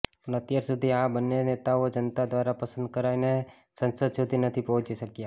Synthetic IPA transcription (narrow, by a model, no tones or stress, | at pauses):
ʊnət̪ɪjəɾsʊd̪ʱiɦãbənːjəneːt̪aod͡ʒənt̪ad̪waːɾapɐsə̃nd̪̚kəɾaːine | sə̃nsəd̪sʊd̪ʱinɐt̪ʰipɐɦʊ̃t͡ʃisɐkia